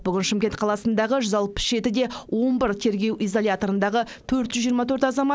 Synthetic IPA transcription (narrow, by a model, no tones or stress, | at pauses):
b̥ʏɡʲɪnʃɪmkʲent̪̚qʰɑlˠɑsənd̪ɑʁəʒʏzɑlˠpə̥sʒ̥e̞t̪ɪd̪e̞wʔo̞nbɪɾt̪ʰe̞ɾɡʲe̞wʔijzo̞lʲjat̪o̞ɾənd̪ɑʁə | t̪ʰɵɾt̪ʒʏzːijəɾmɑt̪ʰɵɾt̪ɑzɑmɑt̪